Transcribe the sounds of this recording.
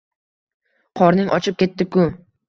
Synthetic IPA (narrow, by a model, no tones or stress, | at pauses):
qʰɒɾnɪŋʔɒ̰t͡ʃʰɪp̚kʲe̞t̪ːɪkʊ